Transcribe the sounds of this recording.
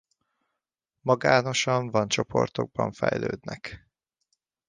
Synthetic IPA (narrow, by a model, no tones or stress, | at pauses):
mɒɡaːno̞ʃɒɱvɒnt͡ʃo̞pʰo̞̰rt̪oɡ̚bɒɱfɛjløːd̪nɛk